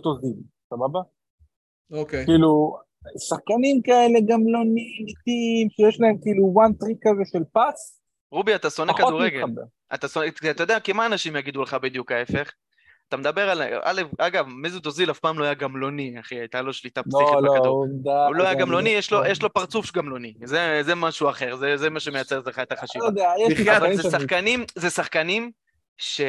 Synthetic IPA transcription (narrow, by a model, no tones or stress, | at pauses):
t̪ozil | sababa | okekiːlu | saχkanimkaele̞ɡamlo̞nit̪imʃejeʃlae̞mkiːluwant̪ʁikazeʃelpas | ʁubiat̪aso̞nekaduʁeɡelbḛ | a̰t̪asoneat̪ajod̪eakemaːnaʃimjaɡid̪uleχabed̪jukae̞fe̞χ | at̪amed̪abe̞ʁala̰lefaɡavmizud̪ozilafpaːmlo̞ajaɡamlo̞niaχiajt̪alo̞ʃlit̪apsiχdɡaod̪aloajaɡamlo̞nijeʃlo̞jeʃlo̞paʁt͡sufɡamlo̞nizezemaʃuaχe̞ʁzezemaʃe̞me̞jat͡se̞ʁzeχaet̪aχaʃivad̪eajeiχaazesaχkanimzesaχkanim | ʃe